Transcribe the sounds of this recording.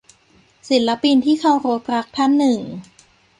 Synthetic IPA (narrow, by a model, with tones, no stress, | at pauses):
si˩˦nla˦˥pi˧nt̪ʰiː˥˩kʰa˧wɾo˦˥t̪̚pʰɾa˦˥k̚t̪ʰa˥˩nːɯ˨˩ŋ